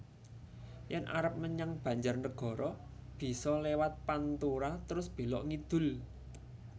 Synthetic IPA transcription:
jɛnʔa̰ɾəp̚məɲaŋb̥ä̤ɲd͡ʒarnəɡ̥ɔ̤ɾɔb̥i̤sɔlewat̪̚pant̪uɾat̪əɾʊsb̥e̤lɔʔŋid̪̥ʊ̤l

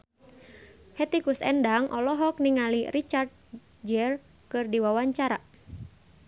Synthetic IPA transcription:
hɛt̪ikusɛ̰ndaŋʔɔlɔɦɔk̚niŋalirit͡ʃart̪̚ | d͡ʒɛr | kɨrdiwawaɲt͡ʃaɾa

